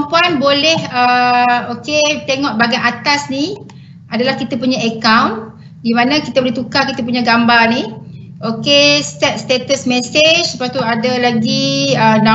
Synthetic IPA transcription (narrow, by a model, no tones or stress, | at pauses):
mpuanbolɛhəoket̪eŋɔʔbaɡajat̪asni | ʔadalahkit̪apuɲaekawn | dimãnãkit̪aboleht̪ukakit̪ap̬uɲaɡambarni | okest̪ɛt̪̚st̪et̪əsmesed͡ʒsəpat̪uadalaɡiəna